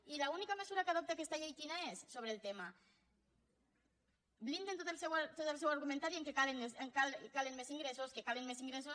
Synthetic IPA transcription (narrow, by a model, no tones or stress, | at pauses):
ilaunikamezuɾakaðop̚t̪ekest̪aʎejkinaesːoβɾelˠt̪ema | blind̪ent̪ot̪lsewat̪ot̪aelˠsɛwaɾɣumẽnt̪aɾieŋkekaleneseŋkalkalenmeziŋɡɾesoskekalenmeziŋɡɾesos